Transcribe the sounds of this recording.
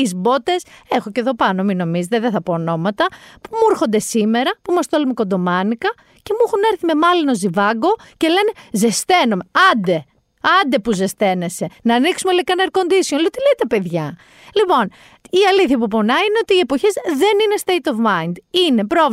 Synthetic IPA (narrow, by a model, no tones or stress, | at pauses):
izbo̞t̪e̞se̞xo̞ceðo̞pɐno̞mino̞mizet̪eðeθɐpo̞ːno̞mɐt̪ɐpumuɾxo̞nd̪e̞sime̞ɾɐpumɐst̪o̞lumekond̪o̞mɐnikɐ | ce̞muxune̞ɾθime̞mɐlino̞zivɐɡo̞ce̞le̞ne̞ze̞st̪e̞nome̞ɐnd̪e̞ | ɐnd̪e̞puze̞st̪e̞ne̞se̞nɐːniksumelekɐnɐeɾkond̪iso̞nliot̪ilet̪epe̞ðʝɐ | lipo̞n | iɐliθçɐp̬upo̞nɐineo̞t̪iːe̞poçezðe̞nine̞st̪eit̪ovmɐind̪ine̞pɾo̞v